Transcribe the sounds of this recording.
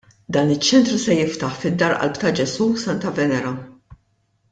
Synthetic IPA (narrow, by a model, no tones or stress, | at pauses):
d̪ɐːnɪt͡ʃːɛnt̪ɾusɛjɪft̪ɐħfɪd̪ːɐɾʔɐ̰lpt̪ɐd͡ʒɛsuːsɐnt̪ɐvɛnɛɾɐ